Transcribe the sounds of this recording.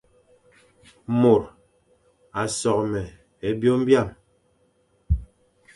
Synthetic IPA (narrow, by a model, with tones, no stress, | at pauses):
mo˨ɾ | a˨sɔ˨k̚mɛ˨ | e˨bjo˦m̩˦bja˦˨m